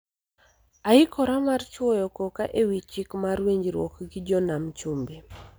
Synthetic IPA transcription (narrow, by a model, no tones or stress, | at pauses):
aɪkʰɔɾamart͡ʃwɔjɔkɔkaʔewit͡ʃikmaɾweɲd͡ʒɾwɔ̰kɡɪd͡ʒɔnamt͡ʃumbe